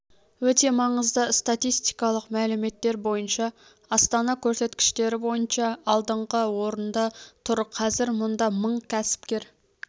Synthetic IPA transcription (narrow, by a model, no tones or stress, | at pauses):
wɵt̪e̞mɑɴəzd̪əst̪at̪ijst̪ijkɑlˠəqmælɪme̞t̪ːe̞ɾbo̞jənʃɑ | ɑst̪ɑnɑkʲʰɵɾse̞t̪kʲɪ̥ʃt̪e̞ɾɪbo̞jənʃɑɑlˠd̪əɴʁəwo̞ɾənd̪ɑt̪ʰʊɾqʰːɑzɪɾmʊnd̪ɑməɴkʲʰæsɪ̥p̚kʲe̞ɾ